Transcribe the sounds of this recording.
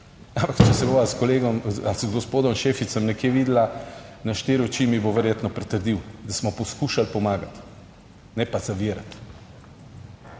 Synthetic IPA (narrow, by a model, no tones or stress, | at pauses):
ampakt͡ʃɛsɛboʋaskɔleːɡɔmalszɡɔspoːd̪ɔmʃeːfit̪səmnɛkjeːʋid̪lanaʃt̪eːɾɔt͡ʃiːmiboʋɛɾjeːt̪nɔpɾɛt̪əɾd̪iwd̪asmɔpɔskuːʃalpɔmaːɡat̪ | nɛpazaʋiːɾat̪